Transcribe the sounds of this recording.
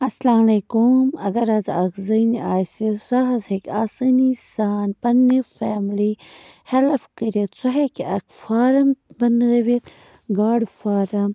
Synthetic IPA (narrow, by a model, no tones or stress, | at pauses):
ɐslaːmɐlekumɐɡɐɾɐzɐ̰kzɐniaːsisaɦɐzɦekʲasɐnisaːnpɐnːifeːmlihelfkəɾit̪sɐɦekiɐkʰfaːɾɐmbɐnɡɐʋit̪ | ɡaːɖfaːɾɐm